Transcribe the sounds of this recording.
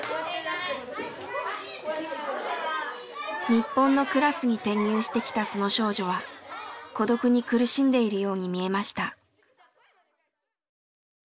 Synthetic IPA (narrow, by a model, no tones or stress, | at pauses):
ɲ̟ipːõ̞nːo̞kɯ̟ɾasɨɲ̟it̪ẽ̞ɲ̟ːɨːɕi̥t̪e̞kʲi̥t̪aso̞no̞ɕo̞ːʑo̞β̞a | ko̞d̪o̞kɯ̟ɲ̟ikɯ̟ɾɯ̟ɕĩnd̪e̞iɾɯ̟jo̞ːɲ̟imʲie̞maɕi̥t̪a